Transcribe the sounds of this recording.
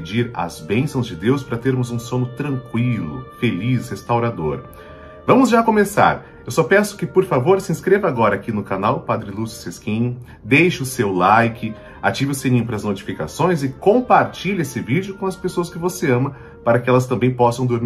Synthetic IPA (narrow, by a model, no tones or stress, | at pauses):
d͡ʒiɾɐ̰zbẽsɐ̃w̃zd͡ʒɪd̪ewspaɾɐt̪eɾmʊzũsõnʊt̪ɾɐ̃ŋkwilʊ̰felishest̪awɾad̪oɾ | vɐ̃mʊzʒakõmesa̰ɾ | ewsɔpɛsʊ̥kɪpoɾfavoɾsɪĩskɾevɐaɡɔɾɐakinʊkanawpad̪ɾɪlusʊ̥seskĩɲʊ | d̪ejʃʊʊsewlajkɪ | at͡ʃivɪʊsenĩɲʊpɾɐznot͡ʃi̥fika̰sõj̃zɪkõpaɾt͡ʃiʎesɪvid͡ʒʊkõɐspesoɐskɪvoseɐ̃mɐ | paɾɐkɪɛlɐst̪ɐ̃mbẽj̃pɔsɐ̃w̃d̪oɾmi